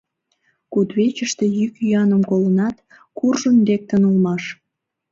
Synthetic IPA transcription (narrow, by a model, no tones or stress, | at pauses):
kut̪βet͡ɕəʃt̪e̽jykyɑnəmkolənɑt̪ | kurʒənd̪ek̚t̪ənulmɑʃ